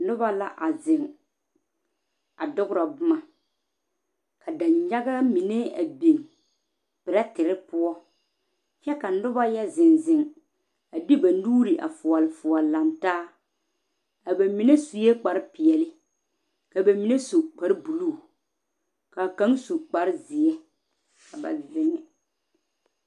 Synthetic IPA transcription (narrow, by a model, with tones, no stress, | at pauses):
nʊ˦ba˦la˦ʔa˨zɪ˨ŋ | a˨dʊ˦ɡʊ˦ɾa˨bʊ˦ma˨ | ka˨da˨ɲɲa˦ɡa˦mi˨ne˦a̰˨be˨ŋ | b̥ɪ˨ɾa˦tɪ˨ɾɪ˦pʊ˦ɔ˦ | t͡ʃɛ˦ka˨nʊ˦ba˦jɛ˦zɪ˨nzɪ˨ŋ | a˨di˦ba˨nuː˦ɾi˨ʔa̰˨fʊ˨ɔ˨lɪ˨fʊ˨ɔ˨la˨ntaː˦ | a˨ba˨mi˨˦ne˦su˨jɛ˦k͡pa˨ɾɪ˦pɪ˨ɛ˨lɪ˦ | ka˨ba˨mi˨ne˦su˨k͡pa˨ɾɪ˦bu˨lu˦˨ | ka˨kã˨˦ŋsu˨k͡pa˨ɾɪ˦zɪ˨ɛ˦ | ka˨ba̰˨zɪ˨ŋɪ˨